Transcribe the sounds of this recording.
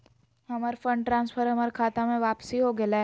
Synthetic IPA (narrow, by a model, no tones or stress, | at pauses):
ɦɐmaːɾfə̃ɳʈʈɾãːnspʰəɾɦɐmaːɾkʰaːt̪amẽʋaːpsiɦoɡɐlaɦɛ